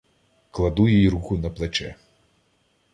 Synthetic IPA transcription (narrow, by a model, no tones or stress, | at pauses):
klˠɐd̪ujijiɾuxʊnɐplˠet͡ʃɛ